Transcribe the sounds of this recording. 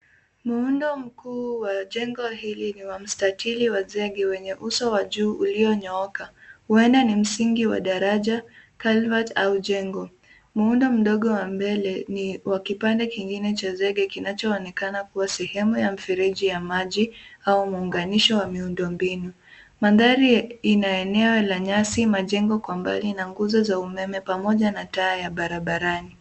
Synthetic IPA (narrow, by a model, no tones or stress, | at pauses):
muundɔm̩kuːwaʄɛŋɡɔhiliniwam̩statʰiliwazɛɠɛwɛɲɛʔusɔwaʄuːʔuliɔɲɔɔkahuɛndanim̩siŋɡiwa̰ɗaɾaʄakalvatauʄɛŋɡɔ | muundɔm̩ɗɔɠɔwambɛlɛniwakipandɛkiŋɡinɛt͡ʃazɛɠɛkinat͡ʃɔːnɛkanakuwasɛhɛmujam̩fɛɾiʄijamaʄiaumuːŋɡaniʃɔwamiundɔmbinu | maðaɾiinaɛnɛɔlaɲasimaʄɛŋɡɔkwamba̰linaŋɡuzɔzaumɛmɛpamɔʄanataːjaɓaɾaɓaɾani